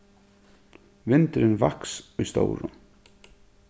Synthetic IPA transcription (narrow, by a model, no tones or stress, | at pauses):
vɪnt̪ɾɪnvahksujst̪o̰ːwɾʏ̰